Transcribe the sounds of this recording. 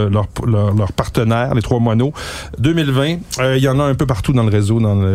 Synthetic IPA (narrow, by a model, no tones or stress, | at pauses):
lœʁlœʁlœʁpaʁt̪ənɛːʁlet̪χwamwanod̪ømɪlvɛ̃əijɑ̃naɛ̃pøpaʁt̪ud̪ɑ̃ləʁezod̪ɑ̃lə